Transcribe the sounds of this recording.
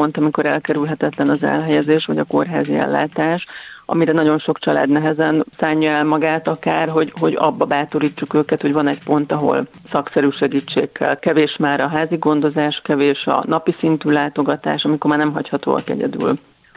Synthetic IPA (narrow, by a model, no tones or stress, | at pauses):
ont̪ɒmiko̞ɾɛ̰lkɛɾylɦɛt̪ɛt̪lɛnɒzɛ̰lɦɛjɛzeːʃʋɒɟɒko̞rɦaːziɛ̰lːa̰ːt̪aːʃɒ̰miɾɛnɒɟo̞nʃo̞kt͡ʃɒla̰ːd̪nɛɦɛzɛnsaːɲːɒɛlmɒɡaːt̪ɒkaːrɦo̞ɟɦo̞ɟɒ̰bːɒbaːt̪o̞ɾiːt͡ʃːukøːkɛt̪ho̞ɟvɒnɛcpo̞nt̪ɒɦo̞̰l | sɒksɛɾyːʃɛɡiːt͡ʃːḛːkʰːɛ̰lkɛveːʃmaːɾɒɦaːziɡo̞nd̪o̞zaːʃkɛveːʃɒ̰nɒpisint̪yːlaːt̪o̞ɡɒt̪a̰ːʃɒmiko̞rmaːrnɛmɦɒchɒt̪o̰ːɒ̰kɛ̰ɟɛ̰d̪y̰ːl